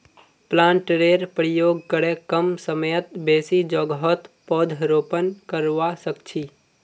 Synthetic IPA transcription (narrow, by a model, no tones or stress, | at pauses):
plãːɳʈɾeːɾpɾɪjoːɡ̚kəɽekəmsəmeət̪beːsid͡ʒɔɡɦɔt̪pɔːd̪ʱɾoːpənkəɾʋasəkt͡ʃʰi